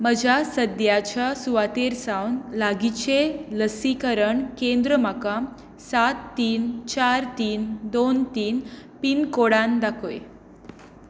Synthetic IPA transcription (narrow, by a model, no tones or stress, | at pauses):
məd͡ʑʱasəd̪jat͡ɕasuʋat̪eɾsawnlaɡit͡ɕeləsikəɾəɳkẽnd̪ɾəmakam | sat̪ːiːnt͡ɕaɾt̪iːnd̪ont̪iːnpiːnkoɽand̪akʰoje